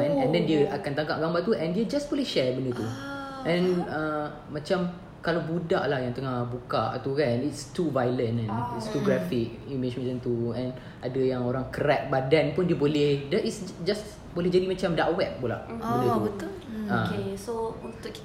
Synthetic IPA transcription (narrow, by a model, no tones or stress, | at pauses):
ɛ̃nɛ̃ndɛndiəakant̪aŋkaʔ̚ɡambat̪uʔɛ̃ndiəd͡ʒasbolɛhʃɛbəndət̪uʔɛ̃nəː | ãt͡ʃam | kalabudaʔlahjaŋt̪əŋahbukaʔt̪ukanitstuvajlə̃nɛ̃nitst̪uɡɾafɪk̚jumet͡ʃmɛ̃t͡ʃə̃nt̪uɛ̃n | ʔadəjaŋoɾaŋkəɾɛt̪̚badanpundiəbolɛhdɛtitsd͡ʒas | bolɛhd͡ʒadimat͡ʃamdaʔwɛp̚bola̰ʔbə̃dəuət̪uləesounʊ